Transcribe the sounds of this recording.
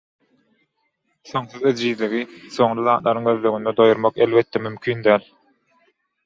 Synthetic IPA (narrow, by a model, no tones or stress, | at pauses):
θo̞ŋθyzed͡ʒiːðliɣiso̞ŋɾɯlɑːt̪lʔˠɑɾɯŋøðløɣynd̪ed̪o̞juɾmɑqelβet̪ːemymkʲʰyːnd̪æːlʲ